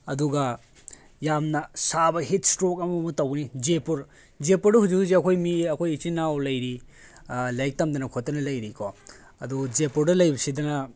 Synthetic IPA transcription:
ɐduɡɐ | jamnɐsabɐɦit̚stɾok̚ɐmɐmutawɡnid͡ʒepuɾ | d͡ʒepuɾdɐhuzuziɐkʰojmiɐkʰojit͡ʃinawlɐjɾi | lajk̚tɐmdɐnɐkʰotːɐnɐlɐjɾikʰɔ | ɐdud͡ʒepuɾdɐlɐjbɐsidɐnɐ

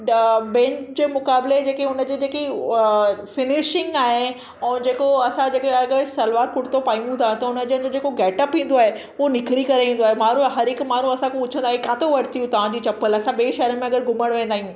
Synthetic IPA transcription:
bɛ̃ːɲt͡ɕd͡ʑeːmʊkaːbled͡ʑeːkeʊnəd͡ʑeːd͡ʑeːki | fɪnɪʃɪ̃ŋɡaːɦẽː | d͡ʑeːkoɐsãd͡ʑeːkeɐɡəɾsɐlʋaːɾkʊɽt̪opaːijũt̪ʰãt̪ɐʊnəd͡ʑiə̃nd͡ʑod͡ʑeːkoɡɛːʈəpɦĩːn̆d̪oaːɦe | ʊɦonɪkɾikɐɾeĩːnd̪oaɦemaːɾ̤ũɦɐɾɦɪkmaːn̤ũɐsãkeʊt͡ɕʰə̃nd̪aːɦekãːt̪oʋɐɽt̪ʰijũt̪ɐʋ̤ãd͡ʑiːt͡ɕɐpəlɐsãɓeːiʃɐɦəɾəmẽɐɡəɾɡʊməɽ̃ʋẽːnd̪aːɦijũː

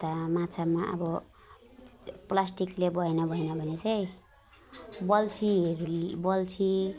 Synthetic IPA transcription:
t̪amãt͡sʰamaʔʌ̰bʌ | plasʈiklebʌjnabʱʌjnʌbʱʌnet͡sʰej | bʌlt͡sʰiɦeɾbʌlt͡sʰi

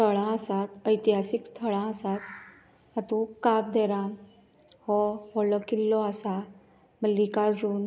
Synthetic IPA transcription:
t̪ʰəɭãəsat̪əjt̪iɦasikst̪ʰəɭãəsat̪̚ | at̪ũkabd̪eɾã | hɔfɔlɔkilːɔasa | məlikad͡zuːn

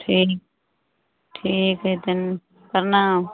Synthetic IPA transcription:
ʈʰiːk̚ | ʈʰiːkɦet̪ɪn | pəɾna

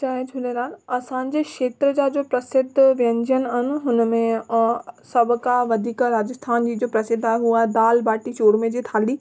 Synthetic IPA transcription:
t͡ɕaːɦed͡ʑʱʰʊleɾaːn̆ɐsãɲ̆d͡ʑeːkʃeːt̪ɾəd͡ʑaːd͡ʑoːpɾɐsɪd̪ʱʋjə̃ɲd͡ʑənɪ̆aɦɪnɪ̆ɦʊnəmẽ | sɐbʱʊkaʋɐd̪ʱiːkɾaːd͡ʑəst̪ʰaːnd͡ʑiːd͡ʑoːpɾɐsɪd̪ʱːaːɦeɦuaːɦed̪aːlbaːʈiʃoːɽmẽd͡ʑiːt̪ʰaːliː

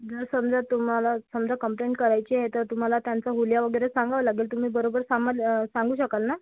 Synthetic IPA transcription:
d͡zəɾsəmd͡zat̪ːum̤alasəmd͡zʱakəmpleɳʈ̚kəɾajt͡ɕiɦet̪əɾt̪um̤alat̪jant͡saɦuljaʋəɡəjɾesãŋɡaʋəlaɡeːlt̪um̤iːbəɾobəɾsaməlsãŋɡuːɕəkəlna

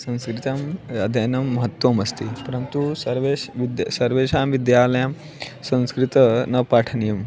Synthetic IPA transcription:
sɐ̃ñskɾit̪amjad̪ʱenɐmːɐɦət̪ʋɐmɐst̪ipɐɾənt̪usɐɾʋeɕʋid̪jsɐɾʋeɕãmʋid̪jaːlɐjam | sɐ̃w̃skɾit̪ənɐpaʈʰənijɐm

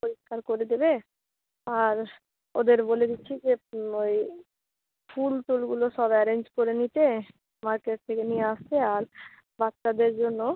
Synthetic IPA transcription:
poɾiʃkaɾkoɾed̪ebe | aɾ | o̰d̪eɾboled̪iːɕʰid͡ʑeoj | fʰulʈulɡuloʃɔbɛɾeɲd͡ʑkoɾenit̪e | maɾkeʈ̚t̪ʰekenijeaʃt̪ʰeaɾ | batːʃad̪eɾd͡ʑonːo

